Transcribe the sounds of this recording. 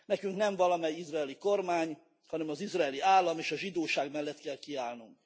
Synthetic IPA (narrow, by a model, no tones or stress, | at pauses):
nɛkyŋknɛɱvɒlɒmɛjizraːliko̞rmaːɲ | hɒnɛmɒzizraːliaːlːɒmeːʃɒʒid̪oːʃaːɡmɛlːɛt̪kɛlkiaːlnuŋk